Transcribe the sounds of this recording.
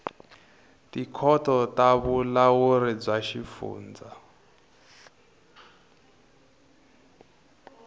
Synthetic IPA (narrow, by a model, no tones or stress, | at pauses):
tikʰɔtɔtaβulawuɾib͡ʐaʃifṵːnd͡za